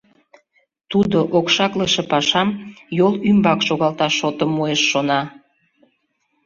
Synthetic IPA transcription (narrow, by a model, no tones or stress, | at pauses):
t̪ud̪oʔokʃɑkləʃepɑʃɑmjolymbɑkʃoɣɑlt̪ɑʃot̪əmːueʃːonɑ